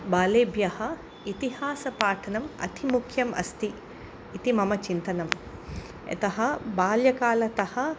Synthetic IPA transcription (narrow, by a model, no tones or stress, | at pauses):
baːleːbʱjɐhɐ | it̪iɦaːsɐpaːʈʰɐnɐmɐ̰t̪ʰimukʰjɐmɐ̰st̪iː | t̪imɐmɐt͡ʃint̪ɐnɐm | ɐ̰t̪ɐɦɐbaːljɐkaːlɐt̪ɐhɐ